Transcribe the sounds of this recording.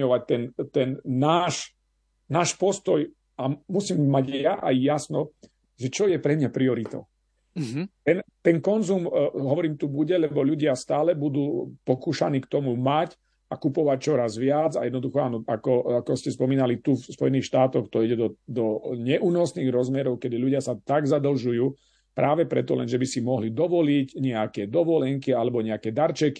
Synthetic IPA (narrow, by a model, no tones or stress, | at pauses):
ɔʋac̚t̪ɛnt̪ɛnːaːʃ | naːʃpɔst̪ɔj | amusiːmːaɟjaʔajːasnɔ | ʒɛt͡ʃɔjɛpɾɛmɲapɾiɔɾit̪ɔ̰ʊ | t̪ɛnt̪ɛnkɔnzumɦɔʋɔɾiːmt̪ubuɟɛlɛbɔʎuɟɪast̪aːlɛbud̪uːpɔkuːʃaniːkt̪ɔmumac | akupɔʋac̚t͡ʃɔɾazʋɪad͡za̰jɛd̪nɔd̪uxɔaːnɔakɔakɔscɛspɔmiːnalit̪ufspɔjɛniːxʃt̪aːt̪ɔxt̪ɔiɟɛd̪ɔd̪ɔɲɛʔuːnɔsniːɣɾɔzmɛɾɔʊkɛd̪iʎuɟɪasat̪aɡzad̪l̩ʒujuː | pɾʔaːʋɛpɾɛ̰t̪ɔ̰lɛ̰nʒɛbisimɔɦlid̪ɔʋɔlicɲɛakɛd̪ɔʋɔlɛŋkialɛbɔɲɛakɛːd̪aɾt͡ʃɛki̥